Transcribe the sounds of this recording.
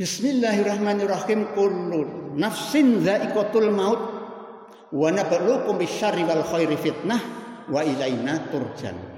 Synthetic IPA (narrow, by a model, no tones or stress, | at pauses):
bismilːahirˤahmanirahimkulːunafsinðaʔikot̪ulmaut̪̚ | wanabaʔluʔkumbiʃaɾiβalxojɾifit̪̚nahwailajnat̪urd͡ʒa̰n